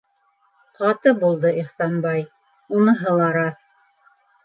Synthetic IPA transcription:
qɑt̪ɤbulˠd̪ɤʔiχsɑnbɑj | unɤɦɤlˠɑɾɑθ

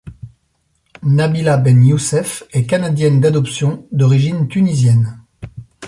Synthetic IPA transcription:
nabilabɛnjusɛfɛkanad̪jɛnd̪ad̪ɔpsjɔ̃d̪ɔʁiʒint̪ynizjɛn

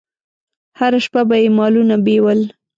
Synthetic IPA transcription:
haɾaʃpabajemɑlunabewəl

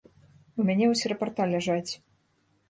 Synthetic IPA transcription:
umʲanʲɛusʲiɾɐpart̪alʲaʐat͡sʲ

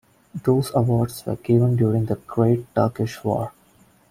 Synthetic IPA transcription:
d̪oːzəʋɔːɖsʋə̰ɾɡɪʋə̃nɖjuːɾɪ̃ŋd̪əɡ̥ɾeːʈ̚ʈəɾkɪʃʋɔ̰ːɾ

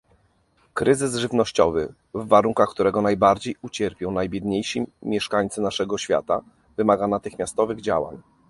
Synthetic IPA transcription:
kɾɘzɘzʐɘvnɔɕt͡ɕɔ̰vɘ | vːaɾuŋkaxkt̪uɾɛɡɔnajbaɾd͡ʑejut͡ɕɛɾpʲjɔ̃w̃najbʲjɛd̪ɲejɕimʲjɛʂkaɲt̪sɘnaʂɛɡɔɕfʲja̰t̪a̰ | vɘmaɡanat̪ɘxmʲjast̪ɔvɘɣd͡ʑa̰wa̰ɲ

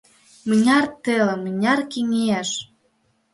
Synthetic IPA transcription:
mənʲɑrt̪elmə̆nʲɑrkiŋeæʃ

